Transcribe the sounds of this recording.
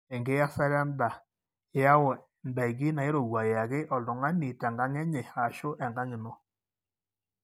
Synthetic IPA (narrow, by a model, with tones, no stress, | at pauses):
ɛ˨ŋɡe˦ja˦sa˦ɾja˦nda˨˦ | ja˦wɔ˨ | nda˨i˨ɡi˦na˨ɪ˦ɾo˨wa˨ja˨ɣɪ˦ʔɔ˨lʊ˨ŋa˦ni˨tɛ˨ŋɡa˦ŋɛ˦ɲɛ˨a˨ʃʊ˦ʔɛ˨ŋɡa˦ŋɪ˨nɔ˦